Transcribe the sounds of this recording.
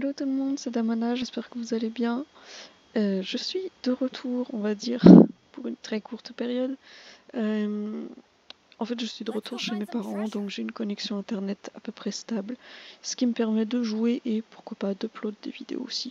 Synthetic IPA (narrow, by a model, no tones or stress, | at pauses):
alot̪ulmɔ̃d̪sɛd̪amɔnaʒɛspɛʁkəvuzalebjɛ̃ | øʒəsɥid̪̥əʁət̪ʰuʁɔ̃vad̪iːʁpuʁynt̪χɛkuʁt̪pɛʁjɔd̪øm | ɑ̃fɛt̪ʒəsɥid̪əʁət̪ʰuʁʃemepaʁɑ̃d̪ɔ̃kʒeynkɔnɛksjɔ̃ɛ̃t̪ɛʁnɛt̪apøpχɛst̪ablsə̥kʲiməpɛʁmɛd̪əʒueʔepuʁkwapad̪əplɔd̪d̪ḛvid̪ḛo̰osi